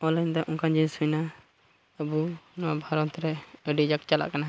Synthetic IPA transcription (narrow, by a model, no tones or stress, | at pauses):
ɔland̪aʔũkãd͡ʒisujna | əbunɔabʱaɾɔt̪ɾɛəɖid͡ʒakt͡ʃala̰ʔkana